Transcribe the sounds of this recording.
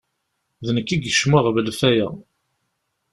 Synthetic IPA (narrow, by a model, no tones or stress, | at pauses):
ðnəkːiɡəʃməʁvəlfæjæ̰